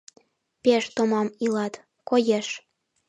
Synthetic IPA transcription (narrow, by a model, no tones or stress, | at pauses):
peʃt̪omɑmilɑt̪ | kojeʃ